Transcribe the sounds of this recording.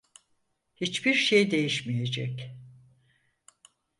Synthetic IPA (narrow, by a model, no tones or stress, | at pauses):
hit͡ʃbiɾʃejd̪e̞jiʃmije̞d͡ʒɛ̰c